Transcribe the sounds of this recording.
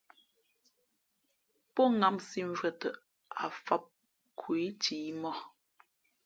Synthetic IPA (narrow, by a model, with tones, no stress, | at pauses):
pɔ˦ŋa˦˨msi˦ɱ̩˦vɛ˨tə˨ | a̰˨fa˦p̚ | kʰwe˨˦tʰiː˨˦mɔ˦˨